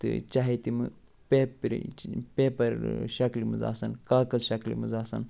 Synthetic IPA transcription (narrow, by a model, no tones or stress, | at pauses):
t̪ɨ̰t͡ʃaɦet̪imɨ | peːpɾḭpeːpɐɾʃɐklimɨ̰za̰ːsɐnkaːkɐzʃɐklḭmɨzaːsɐ̰n